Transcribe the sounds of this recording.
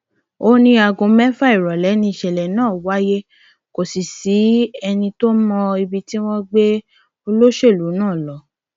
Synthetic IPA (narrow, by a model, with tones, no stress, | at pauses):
o˦nĩ˧˦a˧ɡõ˧mɛ˦fa˦i˨ɾɔ˨lɛ˨˦nĩ˧i˨ʃɛ˨lɛ˨nãː˦˨wa˦je˦ | ko˨si˨si˨˦ɛ˧nĩ˧to˦mɔ̃˧i˧bi˧ti˦w̃ɔ̃˦ɡ͡be˦ | o˧lo˦ʃe˦˨lu˨˦nãː˦˨lɔ˨˦